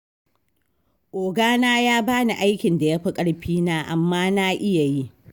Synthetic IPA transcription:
ʔoː˨ɡaː˦naː˦jaː˦baː˦na˨ʔa˦jkʲɪ˨nda˨ja˦ɸɐ˦kʼɐ˦ɽɸiː˦naː˦ʔa˨mːaː˦na˦ʔɪ˦ja˨ji˦ʔ

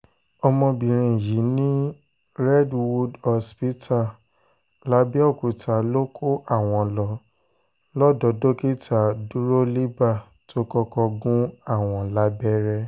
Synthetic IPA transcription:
ɔ˧mɔ̃˧bĩ˨ɾ̃ĩ˨ji˨˦nĩ˦ | ɾɛ˦dwu˧dɔ˧spi˦tʰa˦˨ | la˨˦bɛ˦ɔ˦˨ku˨˦ta˨lo˦kʰo˦ʔa˦˨w̃ɔ̃˧lɔ˧˦ | lɔ˦dɔ˨˦do˦ke˦ta˨du˦ɾo˦li˦ba˦˨ | tʰo˦kɔ˧kɔ˧ɡũ˦a˦˨w̃ɔ̃˧la˦bɛ˦ɾɛ˦

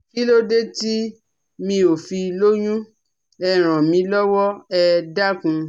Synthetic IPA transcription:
ki˦lo˦de˦ti˦ | mĩ˧o˨fi˧lo˦j̃ũ˦ | ɛ˦˨ɾ̃ã˨mĩ˧˦lɔ˦wɔ˦ɛ˦˧da˦kũ˧

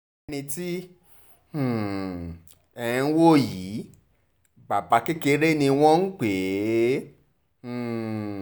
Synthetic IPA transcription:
nĩ˧ti˦˨ | ɛ˧ĩ˧n̩˦wo˦˨ji˨˦ | ba˨ba˨˧˦ki˦ke˧˦ɾe˦nĩ˧w̃ɔ̃˦n̩˦k͡pe˨˦˨

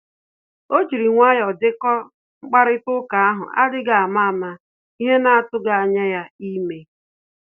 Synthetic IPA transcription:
o˦d͡ʒi˨ɾi˨ŋʷa˦jɔ˨dɪ˦kɔ˦ | ŋ͡m̩˦k͡pa˦ɾɪ˦tʊ˦ka˨a˦ɦʊ̰˨ʔa̰˦dɪ˦ɡa˨a˨ma˦a˨ma˦ | i˦ɦe˦na˦a˨tʊ˦ɡa˨a˨ɲa˦ja˦i˦me˦

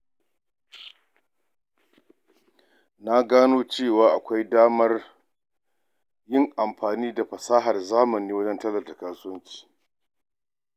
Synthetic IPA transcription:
na˦ɡaː˦noː˦t͡ʃeː˦˨waː˦ʔa˨kʷa˦jdaː˦mɐ˦r | jɪ˦˨ŋʔa˨mɸaː˨niː˦da˨ɸɐ˨saː˦ɦɐ˨rzaː˦mɐ˨niː˦wɐ˦d͡ʒɛ˦ntɐ˦lɐ˨da˨kaː˦sʊ˦wɐ˦ɲt͡ʃi̥ː˨

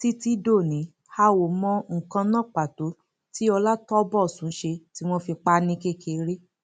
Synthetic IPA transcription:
ti˦ti˦do˦˨nĩ˨˦ | ha˦wo˨mɔ̃˧ŋ̩˨kã˧nã˦˨k͡pa˨to˨˦ | ti˦ɔ˧la˦tɔ˦bɔ˦˨sũ˨˦ʃe˧ti˨˦w̃ɔ̃˦fi˧k͡pa˦nĩ˧˦ke˦˨ke˧ɾe˦

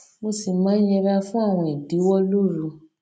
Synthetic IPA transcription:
mo˧si˨mãː˨˦jɛ˧ɾa˧fũ˦a˦˨w̃ɔ̃˧i˨di˨˦wɔ˦lu˦ɾũ˧

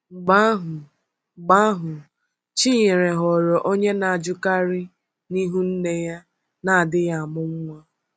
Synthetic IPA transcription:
ɡ͡ba˦ɦʊ˨ | ɡ͡ba˦ɦʊ˨ | t͡ʃi˦ɲe˨ɾe˨ɦɔ˨ɾɔ˨ʔo˦ɲe˦na˨a˨d͡ʒʊ˦ka˦ɾɪ˦ | ni˦ɦu˦n̩˦ne˦ja˦ | na˨a˨dɪ˦ja˦˨a˨mʊ˦ŋ̩˦ŋʷa˦

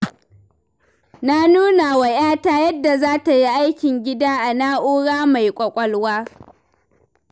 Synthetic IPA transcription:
na˦nuː˦na˨wa˨jaː˦taː˦jɐ˦dːa˨zaː˦ta˨ji˦ʔa˦jkʲɪ˨ŋɡʲɪ˦daː˦ʔa˨naː˦ʔoː˦ɽaː˦ma˨jkʷʼɐ˨kʷʼɔ˦lwaː˦

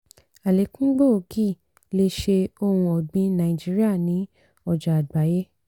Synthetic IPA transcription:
a˨le˨˦kũ˦ɡ͡bo˦o˨˧˦ki˦˨ | le˧ʃe˧o˦hũ˧ɔ˨ɡ͡bĩ˨˦nã˧ĩ˨d͡ʒi˦ɾi˦a˦˨nĩ˨˦ | ɔ˧˨d͡ʒa˨a˨ɡ͡ba˨˦je˦

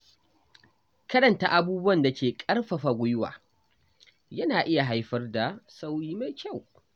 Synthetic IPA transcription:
kɐ˦ɗɐ˨nta̰˦ʔa˨buː˦bʊ˦wɐ˨nda˨kʲeː˨kʼɐ˦rɸɐ˨ɸa˨ɡʷʊ˦jʊ˦wa̰ː˨ | jɐ˦naː˨ʔɪ˦ja˨ɦa˦jɸɐ˦rda˨sa˦wjiː˦ma˦kʲa˦˨w

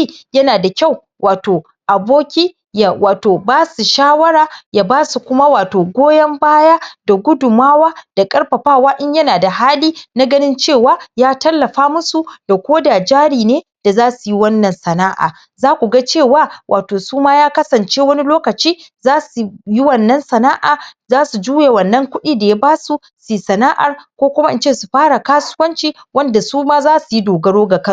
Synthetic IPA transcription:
jɐ˦naː˨da˨kʲa˦˨w | wʔaː˨toː˨ | ʔa˨boː˦kʲiː˦ | ja˨waː˨toː˨baː˦su˨ʃaː˦wɐ˦ɾaː˨jaː˦baː˦su˨kʷʊ˦ma˦waː˨toː˨ɡʷoː˦jɐ˦mbaː˦ja˦d̥a˨ɡʷʊ˦dʊ˨maː˦waː˦d̥a˨kʼɐ˦ɽɸɐ˨ɸaː˦˨waː˦ʔɪ˦ɲjɐ˦naː˨da˨ɦaː˦liː˦na˦ɡɐ˦nɪ˦nt͡ʃeː˦˨waː˦jaː˦tɐ˦lːɐ˨ɸaː˦mʊ˦su˨d̥a˨kʷoː˦da˨d͡ʒaː˦ɽiː˨neː˦ | d̥a˨zaː˦su˨ji˦wɐ˦nːɐ˨nsɐ˨naː˦ʔa̰ː˨ | zaː˦kʷu˨ɡa˦t͡ʃeː˦˨waː˦wʔaː˨toː˨suː˦maː˦jaː˦kɐ˦sɐ˨nt͡ʃeː˦wɐ˦ni˦loː˦kɐ˨t͡ʃiː˦ | zaː˦su˨ji˦wɐ˦˨nːɐ˦nsɐ˨naː˦ʔaː˨zaː˦su˨d͡ʒuː˦je˨wɐ˨nːɐ˦ŋkʷʊ˦ɗiː˦da˨ja˦baː˦su˨ | si˨sɐ˨naː˦ʔa̰˨rkʷoː˦kʷʊ˦ma˦ʔɪ˦nt͡ʃeː˦˨su˨ɸaː˦ɽa˨kaː˦sʊ̥˦wɐ˦nt͡ʃiː˦ | wɐ˦nda˨suː˦maː˦zaː˦su˨ji˦doː˨ɡɐ˦ɽoː˦ɡa˨kɐ˦˨

